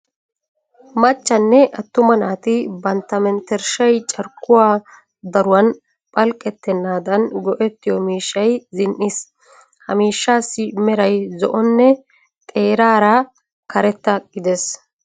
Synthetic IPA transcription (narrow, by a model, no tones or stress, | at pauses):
mɐt͡ʃːɐnːɛʔɐt̪ːʊmɐnaːt̪ɪbɐnt̪ːɐmɛnt̪ɛɾʃɐjt͡ʃʼɐɾkːʊwaː | d̪ɐɾʊwɐn | pʼɐlkʼːɛt̪ːɛnːaːd̪ɐnɡɔʔɛt̪ːɪjɔmiːʃːɐjzɪnʔis | hɐmiːʃːaːsːɪmɛɾɐjzɔʔɔnːɛ | tt̪ʼeːɾaːɾa | kɐɾɛt̪ːɐɡ̥ɪd̪es